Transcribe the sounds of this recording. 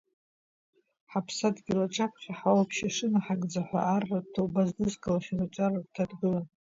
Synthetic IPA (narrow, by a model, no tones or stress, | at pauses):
ħapʰsadɡʲilaʈ͡ʂʰʼapʷʰχʲaħawapʰʃaʂɨnaħaɡʼd͡zaħʷa̰ʔarːatʰowbazdɨzkʰʼalaχʲanat͡ʃʷʼaradtʰadɡɨlan